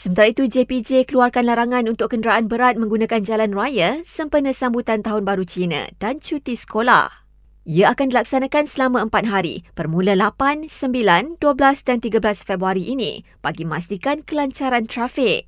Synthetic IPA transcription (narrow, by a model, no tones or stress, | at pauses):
səmənt̪aɾait̪ud͡ʒepid͡ʒekəluarkanlaɾaŋãnunt̪ʊkːəndəɾaʔanbəɾat̪̚mə̃ŋɡunãkand͡ʒalanruajəsəmpənə̃sambut̪ant̪aɦʊnbaɾut͡ʃinə̰̃d̥ant͡ʃut̪isə̥kola̰h | iaakandilaksanãkansəlamãəmpat̪̚ɦaɾḭpərmũləlapansəmbilanduəblasdant̪iɡəblasfɛbɾuaɾiʔinḭ̃ | b̥aɡiməmast̪ikankəlaɲt͡ʃaɾant̪ɾafɪk̚